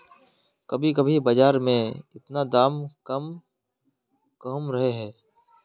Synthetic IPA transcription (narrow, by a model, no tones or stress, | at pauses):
kɐbʱikɐbʱibɐd͡ʒaːɾmẽɪt̪nad̪aːmkɐm | kɐmɾɐɦeɦɛː